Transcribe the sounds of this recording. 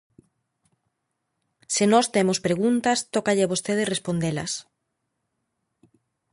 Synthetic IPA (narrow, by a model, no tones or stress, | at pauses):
senɔst̪emospɾeɣunt̪ɐst̪ɔkaʎeaβost̪eð̞ɪrespond̪elɐ̰s